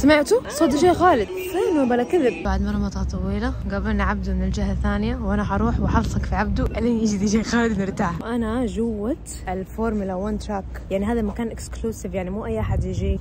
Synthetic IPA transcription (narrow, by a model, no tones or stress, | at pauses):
samɪʕt̪usˤɑd̪ʃeːxaːlɪd̪̚sˤenubalakɪðɪb̚baʕd̪mɑrˤːɑmɑt̪ˤɑt̪ˤɑwiːlaɡabalnʕab̚d̪umɪnɪld͡ʒɪɦaθaːnjawʔanaħɑɾˤuːħwɪħɑlsˤɑkfiʕab̚d̪uʔalinjɪd͡ʒd̪iʃeːxaːlɪd̪nɪɾt̪aːʕhʔanaʒʊwːat̪ | ʔɪlfoːɾˤmʊlawant̪ɾak | jaʕniɦaːðamakaːnʔɪkskluːsɪvjaʕnimuːʔajːʔaħad̪jɪd͡ʒi